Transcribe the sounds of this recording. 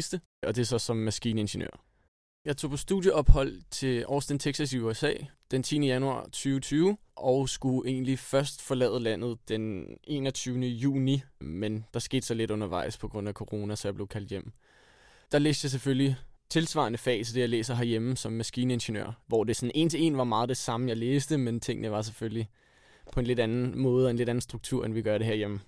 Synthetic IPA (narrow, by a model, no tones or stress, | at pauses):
isd̥ə | ɒ̽d̥e̝sɒ̽sɒ̽mːæsɡ̥ḭːnəe̝nɕənø̰ɐ̰ | jɑ̈ɪt͡sʰo̝̰ːpʰɒ̽sd̥ṵðˠjəʔɒ̽b̥hɒ̽l̰t͡sʰe̝ʔɒːsd̥ent͡sʰeɡ̥sæsiuesɛ̰ːd̥ent͡sʰḭːnəjænuɑ̰̈ːt͡sʰyːʊt͡sʰyːʊʔɒ̽ʊsɡ̥uʔe̝̰ːnlifɶɐsd̥fɒ̽lɛ̰ːð̞̩ˠlæn̰ð̞̩ˠd̥ene̝̰ːnɒ̽t͡sʰyːʊnəjṵːnimend̥ɑ̈sɡ̥e̝̰ːd̥sɒ̽le̝d̥ɔ̽nɐʋɑ̈ɪ̰spʰɒ̽ɡ̥ʁɔ̽n̰ækʰo̝ʁo̝ːnæsɒjɑ̈b̥le̝ʊkʰæld̥jem̰ | d̥ɑ̈lḛːsd̥jɑ̈ɪs̬eføllit͡sʰe̝lsʋɑ̰̈ːnəfɛ̰ːsʰd̥e̝jɑ̈ɪlḛːsɐɦæɐjemsɒ̽mːæsɡ̥iːnəe̝nʃenø̰ɐ̰ʋɒ̰d̥e̝sɒ̽ne̝̰ːnt͡sʰe̝e̝̰ːnʋɑ̈mɑ̈ːð̞̩ˠd̥e̝sɑ̈məjɑ̈ɪleːsd̥əment͡sʰe̝ŋ̰nəʋɑ̈s̬eføli | pʰɒ̽e̝nle̝d̥ænn̩mɔ̽ːð̞̩ˠɒenle̝ɾæn̩sd̥ʁuɡ̥̚t͡sʰuɐ̰enʋiɡ̥ɶɐɾe̝ɦæɐ̰jemə